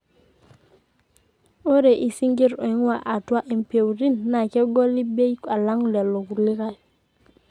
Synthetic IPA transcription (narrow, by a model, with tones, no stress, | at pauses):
o˦ɾe˨ʔi˨si˦ŋɡi˦ɾo˨i˦ŋ˦wa˨ʔa˨twa˦ʔi˨mpe˨wɾi˦nːa˨ke˦ɡo˦li˦be˦jka˨la˦ŋ˦˨le˨lo˨ku˨ɾli˦ka˦˨l